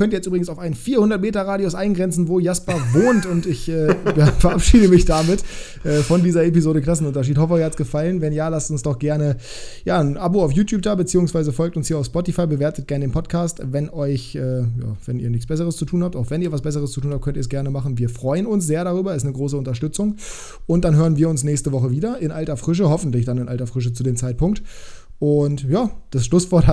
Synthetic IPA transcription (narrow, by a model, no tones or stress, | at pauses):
kʰœntiːɐjɛt͡stʔybʁɪɡŋ̩saʊfaɪnfiːɐhʊndɐt̚meːtɐʁaːdiosʔaɪnɡʁɛnt͡sn̩voːjaspɐvoːntʊntɪçʔɛːfɛɐʔapʃiːdəmɪçd̥amɪt | ʔɛːfɔndiːzɐepizoːdəklas̬n̩ʊntɐʃ̬iːthɔfəːhatsɡ̥əfalənvɛnjaːlastʊnsd̥ɔχɡ̥ɛɐnə | jaːnʔaboaʊfjuːtʰjuːp̚d̥aːbət͡siːʊŋsv̥aɪzəfɔlk̚tʊnshiːɐaʊfspɔtifaɪbəveːɐtət̚ɡ̥ɛɐnədeːnpʰɔtkʰaːstvɛnʔɔʏçʔɛːja̰ːvɛnḭːɐnɪçt͡ssb̥ɛs̬əʁ̞əst͡sutʰuːnhap̚taʊxv̥ɛniːɐvasb̥ɛs̬əʁ̞əst͡sutʰuːnhap̚kʰœntiɐsɡ̥ɛɐnəmaχn̩viːɐfʁ̥ɔʏənʊnsz̥eːɐɾaʁ̞yːbɐɛsnəɡʁoːs̬əʊntɐʃtʏt͡sʊŋ | ʔʊnt̚d̥anɦøːʁənviːɐʊnsnɛːçstəvɔχəviːdɐʔɪnʔaltɐfʁ̥ɪʃ̬əhɔfn̩tlɪçd̥anɪnʔa̰ltɐfʁ̥ɪʃ̬ət͡sudeːmt͡saɪt̚pʊŋkt | ʔʊntjaːd̥asʃlʊsv̥ɔɐt